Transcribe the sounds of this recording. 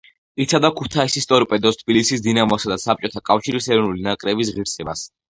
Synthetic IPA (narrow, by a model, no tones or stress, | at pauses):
it̪sʰad̪akʰut̪ʰaisist̪ʼɔɾipʼɛd̪ɔst̪̚ʰbilisisd̪inamɔsad̪asap̚t͡ʃʼɔt̪ʰakʼafʃiɾisɛɾɔnulinakʼɾɛbis̬ʁiɾsɛbas